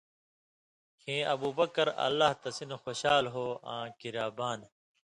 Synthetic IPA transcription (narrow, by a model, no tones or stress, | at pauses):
hẽːʔɐbuːbɐkɐɾɐ̰lːaɦt̪ɐsinxoːɕaːlɦoːã̰ːkiɾaːbaːn